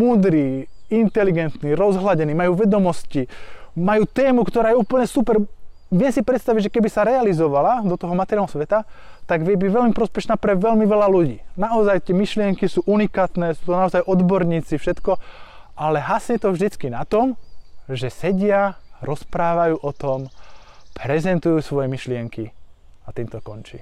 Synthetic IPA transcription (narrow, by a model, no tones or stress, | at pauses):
muːd̪ɾiː | int̪ɛliɡɛnt̪niːɾɔzɦlaɟɛniːmajuːʋɛd̪ɔmɔscimajuːt̪ɛːmukt̪ɔɾaːjɛuːpl̩ɲɛsupɛɾ | ʋɪɛmsipɾɛt̪st̪aʋiɟʒɛkɛbisaɾɛalizɔʋalad̪ɔt̪ɔɦɔmat̪ɛɾialusʋɛt̪at̪aɡʋɪɛbiɟʋɛlmipɾɔspɛʃnaːpɾɛʋɛlmiʋɛlaluɟḭːnaɔzajt̪ɪɛmiʃlɪɛŋkisuːʔunikaːt̪nɛːsuːɔnaɔzajʔɔd̪bɔɾɲiːt͡sifʃɛt̪kɔ | ʔalɛɦasɲɛt̪ɔvʒd̪itt͡skinat̪ɔmʒɛsɛɟɪaɾɔspɾaːʋajuːʔɔt̪ɔmpɾɛzɛnt̪ujuːsʋɔjɛmiʃlɪɛŋkiat̪iːmt̪ɔkɔɲt͡ʃḭː